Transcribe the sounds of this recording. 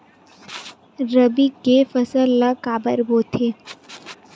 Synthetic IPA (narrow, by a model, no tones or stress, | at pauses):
ɾəbikefəsəlːakaːbəɾboːt̪ʰe